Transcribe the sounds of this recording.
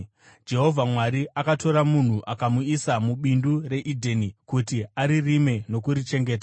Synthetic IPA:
d͡ʒe̞ɦo̞vʱamwaɾiʔakato̞ɾamun̤uʔakamuisamuɓindure̞ʔidʱenikutiaɾirime̞no̞kuɾit͡ʃe̞ŋɡe̞ːt̬a

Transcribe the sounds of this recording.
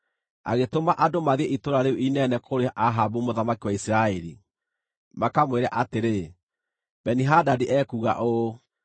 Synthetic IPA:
a̰ɣetomaʔadomaðiɛʔitoɾaɾeuʔinɛnɛkʰoɾeaʔaɦabumoðamakiwaisiɾaɛɾi | makamweɾaʔateɾe | b̥ɛniɦadadiʔɛːkuɣa̰ʔo

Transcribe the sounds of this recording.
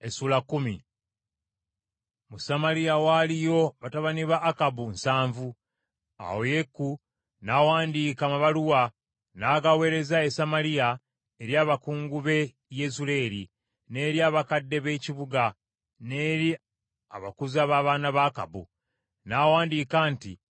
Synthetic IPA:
esuːlakːumi | musamalijawalijo̞βataβaniβaʔːkabunsaːɱvu | a̰woje̞kːu | nawaːndiːkamaβaluwa | naɡawe̞ːɾe̞zae̞samalija | eɾjaːβakuːŋɡuβe̞ | jezule̞ːɾi | ne̞ːɾjaːβakadːe̞βe̞ːciβuɡa | ne̞ːɾi | a̰βa̰kuzaβaːβaːnaβaːka̰bṵ | nawaːndiːkaːnti

